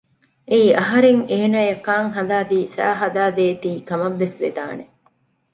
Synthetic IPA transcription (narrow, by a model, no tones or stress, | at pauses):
eiɐɦɐɾeŋeːnaːjɐkːaːŋɦɐd̪aːd̪iːsæ̰ːɦɐd̪aːd̪eːt̪iːkɐmɐʋːesʋed̪a̰ːne